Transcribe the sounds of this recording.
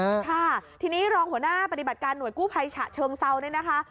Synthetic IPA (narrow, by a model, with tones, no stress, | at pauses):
kʰa˥˩t̪ʰiː˧niː˦˥ɾɔː˧ŋhu˩˦ənaː˥˩pa˧t̪i˨˩ba˨˩t̪̚kaː˧nːu˨˩˦jkuː˥˩pʰa˧jt͡ɕʰa̰˨˩t͡ɕʰɤː˧ŋsa˧wnɯ˥˩na˦˥kʰa˦˥